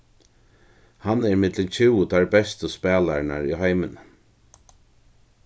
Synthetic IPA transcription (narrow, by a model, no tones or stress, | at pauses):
hanɛɾɪmɪt̪lɪnt͡ʃʰɪwt̪ʰaɹbɛst̪əspɛːlaɾna̰ɹiɦajmɪn